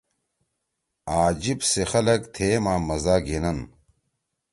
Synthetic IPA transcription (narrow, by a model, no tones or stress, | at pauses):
aːd͡ʑibsexɐlɐkt̪ʰeːmaːmɐzaːɡenɐn